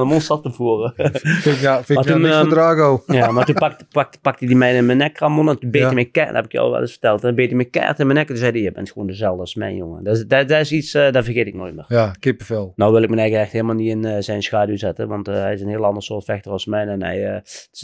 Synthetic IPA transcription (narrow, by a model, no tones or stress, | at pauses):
əmonsɑtəvuərəfɪfɪmatunaːɣowjamartunpakpak̚tpɑk̚tidimɛjnmɛnɛkramonɛntunbeːimɛjkɛ̰hɛbɪkjɔ̰wʋɛ̰lˠʔɪ̰sfə̥rtɛlˠtɛbeːtimɛjkɛ̰ːrtɪnmɛjnɛkədøsɛdəjɛbɛ̰ntxəʋoːndəzɛlˠdəɑsmɛ̰jnjo̰ŋə̰dddɛɪsitsdavərxeːtɪk̚no̰ːjt̚mɪːrjakɪpəfelˠnowʋɪlˠɪk̚mɛnɛjɣəɛxtheːlˠmalˠnitɪnzɛjnsxaːduzɛtəʋɑntəɦɛjɪsənhiːlˠɑndərsoːrtfɛxtərɑlˠsmɛjnɛnɛ̰jəɪ̥s